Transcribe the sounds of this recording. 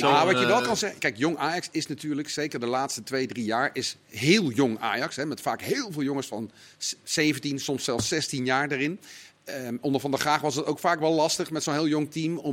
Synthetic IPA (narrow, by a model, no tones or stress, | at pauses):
aʋɑjəʋɛlˠkɑnzɛχəkɛjkjɔŋaːjɑksɪsnatyːɹləksejkəɹdəlaːtstətʋejdrijaːɹɪs | ɦɪːlˠjɔŋa̰ːjɑksɦɛmɛtfaːkɦɪːlˠveːlˠjoŋəsfɑnsejvəntinsɔmsɛlˠsɛstinjaːɹdarɪn | ʔɔndəɹvɑndəχraːχʋɑsdɑtowkfaːkʋɛlˠlɑstəχmɛtsonɦɪːlˠjʊŋtimɔ